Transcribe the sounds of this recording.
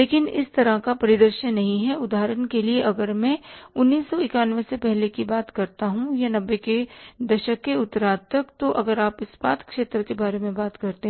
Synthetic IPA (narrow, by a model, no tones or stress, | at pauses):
leːkɪnɪ̰st̪ɐɾakapɐɾɪd̪əɾʃənːɐɦĩɦɛʊd̪aːɦɾənkelieʔɐɡəɾmɛ̃ːʊnːiːsːɔɪkaːnʋesepɛɦlekibaːt̪kɐɾt̪aɦũjanɐbːeked̪ɐʃəkːeʊt̪ːəɾaːd̪̚t̪ɐkt̪oʔɐɡəɾaːpɪsbaːt̪kʃeːt̪ɾəkebaːɾemẽbaːt̪kɐɾt̪eɦ